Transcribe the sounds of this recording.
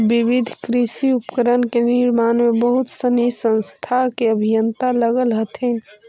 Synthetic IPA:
bibid̪ʱkɾisiupkəɾənkeniɾmaːnmebəɦut̪sənisə̃nst̪ʰakeəbʱijənt̪aləɡəlɦət̪ʰin

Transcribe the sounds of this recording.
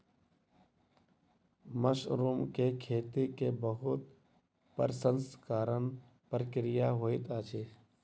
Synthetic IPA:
məʃɾuːmkekʰeːt̪ikebəɦʊt̪ | pə̰ɾsə̃nskaːɾən | pəɾkɪɾɪjaɦoːit̪aːt͡ʃʰeː

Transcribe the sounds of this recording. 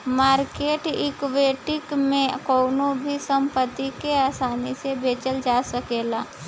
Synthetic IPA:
maːɾkeːʈɪ̰kʋeːʈɪkmẽkoːnõbʱisə̃mpət̪ːikeaːsaːnisebeːt͡ʃəld͡ʒaːsəkeːlaː

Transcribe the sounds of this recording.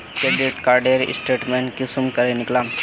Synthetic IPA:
kebeʈkaːɾɖeɾɪ̰sʈeːʈmẽːnkisʊmkɐɾenɪklaːm

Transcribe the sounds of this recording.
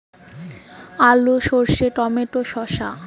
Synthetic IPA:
aluʃoɾʃeʈɔmeʈoʃɔʃa̰

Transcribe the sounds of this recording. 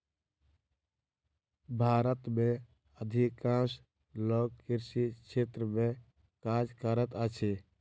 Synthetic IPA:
bʱaːɾət̪mẽ | əd̪ʱikãs | loːɡkɪɾsikt͡ʃʰʃʰeːt̪ɾəmẽ | kad͡ʒkəɾət̪ət͡ʃʰe

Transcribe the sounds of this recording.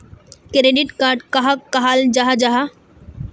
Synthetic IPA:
kɾeːɖɪʈkaːɾɖkɐɦakɐɦaːld͡ʒaɦad͡ʒaɦa

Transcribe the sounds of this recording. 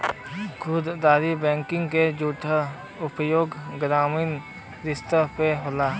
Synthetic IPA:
kʰʊd̪d̪aːɾibɛ̃ːŋkɪ̃ŋɡked͡ʒuːʈʰə | ʊpjoːɡɡɾaːmiːn | ɾɪst̪əpeɦolaː

